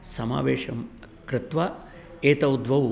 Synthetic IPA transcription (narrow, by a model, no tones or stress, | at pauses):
sɐma̰ːʋeːʂɐm | kɾɪt̪ʋaː | eːt̪ɐwd̪ʋɐ